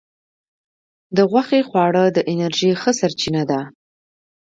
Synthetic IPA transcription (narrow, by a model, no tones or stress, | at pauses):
d̪əɣwaxexwɑɽəd̪əʔɪnaɾʒixəsaɾt͡ʃinad̪a